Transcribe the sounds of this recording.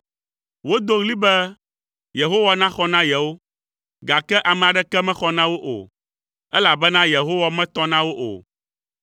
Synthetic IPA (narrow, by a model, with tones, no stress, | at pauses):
wo˦d̪o˦ɣli˦bɛ˦ | je˨ɦo˦wa˦nã˦xɔ˦nã˦jɛ˨wo˦ | ɡa˨kɛ˦ʔa˨mɛ̃˨a˨ɖɛ˦kɛ˦mɛ̃˦xɔ˦nã˦wo˦ʔo̰˨ | ɛ˦la˨bɛ˦nã˦je˨ɦo˦wa˦mɛ̃˦t̪ɔ˦nã˦wo˦ʔo̰˨